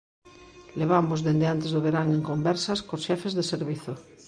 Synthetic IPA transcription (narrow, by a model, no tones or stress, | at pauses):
leβ̞amozðend̪eant̪ezðoβ̞eɾaŋeŋkombeɾsaskosʃɛfezðeseɾβiθo